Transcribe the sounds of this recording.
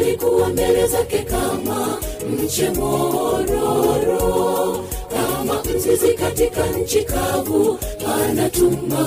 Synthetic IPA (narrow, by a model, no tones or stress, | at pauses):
likuwɔmbɛɾɛzakɛkamam̩t͡ʃɛmɔɾɔɾɔ | kamam̩zizikatikan̩t͡ʃikavuanatum̩a